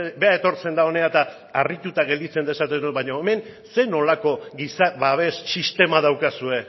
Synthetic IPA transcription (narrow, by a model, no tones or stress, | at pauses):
be̞aet̪o̞ɾt͡se̞nd̪ao̞ne̞at̪a | arit̪ut̪aɣe̞ld̪it͡se̞nd̪e̞sat̪eðubaɲoeme̞nse̞no̞lako̞ɡisaβaβe̞sːist̪e̞maðawkasue̞